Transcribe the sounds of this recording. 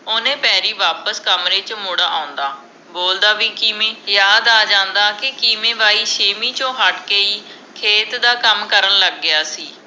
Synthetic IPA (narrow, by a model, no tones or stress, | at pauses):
oːnẽːpɛːɾiːʋaːpəskəmɾeːt͡ʃmʊɽaːʔãːʊ̃nd̪aː | boːld̪aːʋiːkimẽːjaːd̪aːd͡ʒãːnd̪aːkɪkiːmẽːʋaːiːʃeːmiːt͡ʃõːɦəʈkeːiː | kʰeːt̪d̪aːkəmkəɾənləɡːɪjaːsiː